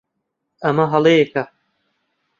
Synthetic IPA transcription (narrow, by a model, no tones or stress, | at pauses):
ɐmɐɦɐlˠejekɐ